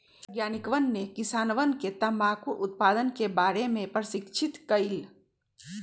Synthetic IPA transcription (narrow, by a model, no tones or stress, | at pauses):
ɡjaːnikʋənːekɪsaːnʋənket̪ɐmaːkuʔʊt̪̚paːd̪ənkebaːɾemẽpɾəʃɪkt͡ʃʰɪt̪kəɪil